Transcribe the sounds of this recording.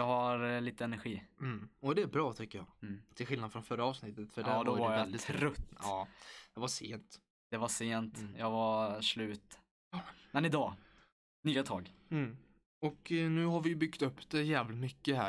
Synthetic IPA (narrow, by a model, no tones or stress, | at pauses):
jɑɡhaɾliːt̪əɛnæɾɧiːm̩ɔd̪ɛæɾbɾɑːt̪ʰʏkːəjɑ̰ːt̪ʰɪlɧɪlnad̪fɾɔnfœɾːaɑːvsnɪt̪ːət̪fœɖɛd̪ɔajvɛld̪ɪɾɵt̪ːɑːd̪̥ɛvaʂeːnt̪ | d̪̥ɛvaʂeːnt̪jɑːɡvaʂlʉ̟ːt̪ | mɛnɪd̪ɑː | nyːat̪ʰɑːɡm̩ | ɔknʉ̟ːɦaɾvɪjɵbʏɡt̪ɵpːd̪̥ɛjæːvlɪt̪mʏkːəɦæ̰ː